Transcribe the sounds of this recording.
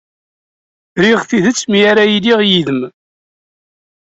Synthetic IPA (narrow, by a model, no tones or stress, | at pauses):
ɾiʁθiðət͡sːmijaɾajiliʁjiðəm